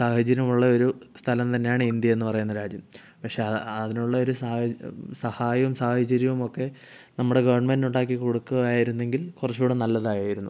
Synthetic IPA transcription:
saːhɐt͡ɕːɐɾɐmuɭːɐo̞ɾust̪ʰɐlɐmt̪ɐnːe̞jaːɳɨind̪jɐe̞nːɨpɐrɐjunːɐɾaːd͡ʑjɐm | pɐkʂe̞ɐɐðinuɭːɐo̞ɾusaːsɐhaːjɐʋumsaːhɐt͡ɕːɐɾjɐʋumo̞kːe̞ | nɐmːuɽe̞ɡɐʋɐɳmenduɳɖaːk̬ːikuɽukːuaːjiɾunːe̞ŋɡilkurɐt͡ɕːuːɽenɐlːɐðaːjaːjiɾunːu

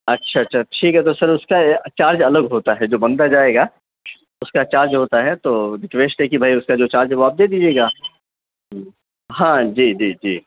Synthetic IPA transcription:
ɐtːʃʰaɐtːʃʰaʈʰiːkɦɛt̪osɐɾʊskat͡ʃaːɾd͡ʒɐləɡɦoːt̪aɦɛd͡ʒoːbɐ̃nd̪ad͡ʒaːeːɡaː | ʊskat͡ʃaːɾd͡ʒɦoːt̪aɦɛt̪oːd̪ɪʈʋeːʃʈ̪ɦɛkibʱaːiʊskad͡ʒoːt͡ʃaːɾd͡ʒɦɛʋoaːp̚d̪eːd̪iːd͡ʒieːɡaː | ɦãːd͡ʒiːd͡ʒiːd͡ʒiː

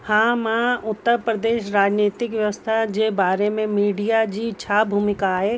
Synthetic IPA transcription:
hãːmãːʊt̪ːəɾpɾəd̪eːʃɾaːd͡ʒniːt̪ɪkʋjəʋəst̪ʰad͡ʒeːbaːɾemẽmiːɖijad͡ʒit͡ʃʰaːbʱuːmɪkaɦeː

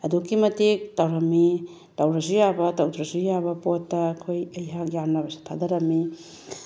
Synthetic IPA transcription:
ɐdukːimɐtik̚tawɾɐmːi | tawɾɐzujabɐtawtɾɐsujabɐpotːɐːkʰojɐjɦak̚jamnɐbɐsi̥tʰadɐɾɐmːi

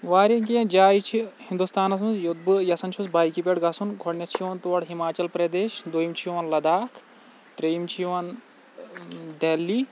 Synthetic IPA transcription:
ʋaːɾɐkĩd͡ʒaːjt͡ʃʰihind̪ust̪aːnɐs̬mɐzjud̪̚bɨjɐsɐnt͡ʃʰusbaːjkipʲeɽɡɐsunɡʱoɽnʲɐt͡ʃʰiʋɐnt̪uʋɐɽɦimaːt͡ʃɐlpɾɐd̪eːʃd̪ojimt͡ʃʰijʋɐnlɐd̪aːkʰ | t̪ɾeimt͡ʃʰiʋɐn | d̪eːlːiː

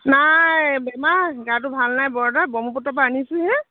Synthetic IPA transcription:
najbɛmaɡat̬ʊbʱalnajbɔɹdabɔmupɔtapanisiɦɛ

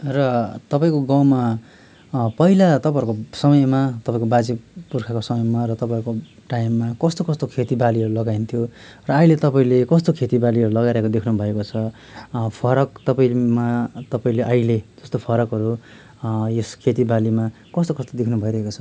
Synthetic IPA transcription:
rʌt̪ʌpaĩkoɡawma | pʌɦilat̪ʌpãʌɾkosʌmʌjmat̪ʌpãĩkobad͡zipurkʰakosʌmʌjmarʌt̪ʌpajɾko | ʈajimːakʌst̪okʌst̪okʰet̪ibaliɦʌɾulʌɡaint̪ʰijorʌailet̪ʌpaĩlekʌst̪okʰet̪ibaliɦʌɾulʌɡaɾaekod̪ekʰnubʱʌekot͡sʰʌ | pʰʌɾʌk̚t̪ʌpaĩmat̪ʌpaĩleʔaɦiled͡zʌst̪opʰʌɾʌkɦʌɾu | jeskʰet̪̬ibalima | kʌst̪okʌst̪od̪ekʰnubʱʌiɾʌɦekot͡sʰʌ

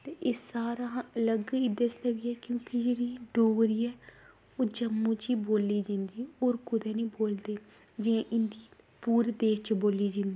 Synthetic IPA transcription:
t̪eːʔeːsaːɾaːələɡid̪esnəbiːɛːkjõːkɪd͡ʒeːɽiːɖoːɾiːɛː | oːd͡ʒəmːũːt͡ʃiːboːlːiːd͡ʒɪ̃nd̪iːoːɾkʊd̪ɛːnĩːboːld̪eː | d͡ʒɪãːʔɪnd̪iː | puːɾd̪eːʃt͡ʃboːliːd͡ʒɪ̃nd̪iː

